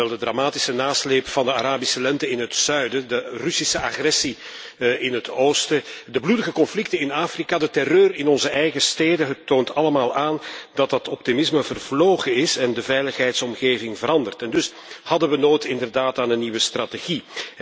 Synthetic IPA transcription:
ɛlˠdədramaːtɪsənaːsleːpfɑndəaɾaːbisəlɛntəɪnɦətsœɥdədərʏsisəaxrɛsi | ʔɪnɦətoːstədəbludəɣəkɔnflɪk̚təɪnaːfrikaːdətɛrøːrɪnɔnzəʔɛjɣəsteːdəɦətːoːntʰɑləmaːlˠaːndɑtɑtɔp̚timɪsməvərvloːɣəɪsɛndəvɛjləxɦɛjtsɔmɣeːvɪŋvəɾɑndərtɛndɵs | hɑdənʋənoːjtɪndərdaːtaːnənːiʋəstrateɣi

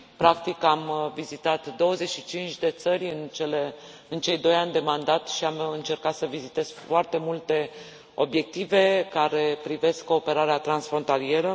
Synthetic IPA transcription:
pɾakt̪ikamvizit̪at̪d̪o̞wəze̞tʃit͡ʃint͡ʃʲd̪e̞t̪səɾʲɨnt͡ʃeleɨnt͡ʃe̞jd̪o̞janʲd̪e̞mand̪at̪ʃiamɨnt͡ʃe̞rkat̪səvizit̪e̞z̥foart̪e̞mult̪e̞ | o̞̰bje̞k̚t̪ive̞kaɾe̞pɾive̞skkːo̞ːpe̞ɾaɾeat̪ɾansfɾo̞nt̪alie̞ɾə

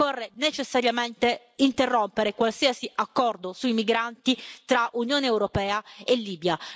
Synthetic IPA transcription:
ɔrːenet͡ʃesːaɾjament̪e | int̪erːompeɾekwalsiːasiakːɔrd̪osuimiɡɾant̪it̪ɾaʔunjoːneːwɾopɛːaelːiːbja

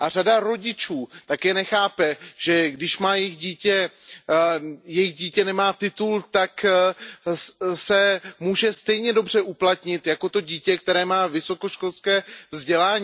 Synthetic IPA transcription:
ʔar̝adaɾo̞ɟɪt͡ʃuːt̪akɛːnɛxaːpɛʒ̥ɛɡdɪʃmaːjɪxɟiːcɛ | jɛjɪɣɟiːcɛnɛmaːt̪ɪt̪ult̪ak | sɛmuːʒɛst̪ɛjɲɛdo̞br̝ɛʔuplat̪ɲɪt̪jako̞t̪o̞ɟiːcɛk̚t̪ɛɾɛːmaːvɪso̞ko̞ʃko̞lskɛːvzɟɛlaːɲː

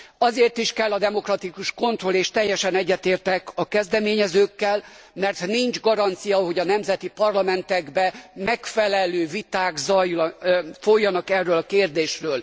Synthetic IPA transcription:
ɒzeːrt̪iʃkɛlːɒd̪ɛmo̞krɒt̪ikuʃko̞nt̪ro̞leːʃt̪ɛjːɛʃɛnɛɟːɛt̪eːrt̪ɛkɒkɛzd̪ɛmeːɲɛzøːkːɛlmɛrt̪niɲd͡ʒɡɒɾɒnt̪sijɒɦo̞ɟɒnɛmzɛt̪ipɒrlɒmɛnt̪ɛɡbɛmɛkfɛlɛløːvit̪aːɡzɒjːulɒfojːɒnɒkɛrːøːlɒkeːrd̪eːʃrøːl

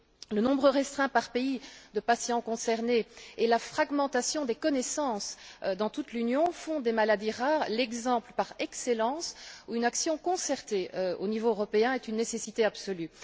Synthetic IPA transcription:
lənɔ̃bʁəʁɛst̪χɛ̃paʁpeid̪əpasjɑ̃kɔ̃sɛʁneɛlafχaɡmɑ̃t̪asjɔ̃d̪ekɔnɛsɑ̃sd̪ɑ̃t̪ut̪lynjɔ̃fɔ̃d̪emalad̪iʁaːʁlɛɡzɑ̃pləpaʁɛkselɑ̃ːsuynaksjɔ̃kɔ̃sɛʁt̪eøo̰nivoøʁɔpeɛ̃ɛt̪ynːesesit̪eabsɔly

